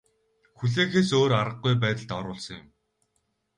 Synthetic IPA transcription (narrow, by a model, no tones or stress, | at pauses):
xuɮeːxeːsoːɾaɾə̆ɢːujp̬æːt̪ə̆ɮt̪ɔɾʊːɮsɞ̆ŋjʊm